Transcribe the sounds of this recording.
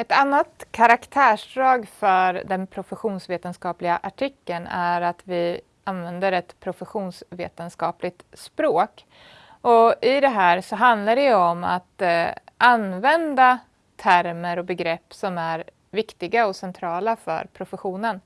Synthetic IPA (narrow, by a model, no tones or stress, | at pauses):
ɛt̪anːat̪kʰaɾakt̪ʰæːʂɖɾɑːɡfœɾd̪ɛnpʰɾʊfɛɧuːnsveːt̪ənskɑːplɪɡaʔaʈʰɪkːənæɾat̪vɪ | anvɛnd̪əɾɛt̪pʰɾʊfɛɧuːnsveːt̪ənskɑːplɪɡ̚t̪spɾoːk | ɔɪd̪ɛɦæːɾsɔɦand̪laɖɛɔma̰t̪ʔanvɛnd̪a | t̪ʰæɾməɾɔbɛɡɾɛpːsɔmæɾ | vɪkt̪ɪɡaɔsɛnt̪ʰɾɑːlafœ̰ɾpʰɾʊfɛɧuːnən